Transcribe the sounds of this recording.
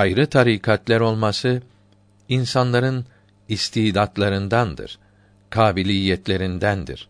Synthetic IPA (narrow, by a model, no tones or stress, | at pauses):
ajɾɯt̪ʰaɾikʰat̪lʲæɾo̞lˠmasɯ | insanlˠaɾɯn | ist̪ʰiːd̪at̪lˠaɾɯnd̪and̪ɯ̰ɾ̥ | kʰaːbilʲiːjːɛt̪lʲe̞ɾind̪ænd̪ḭɾ̥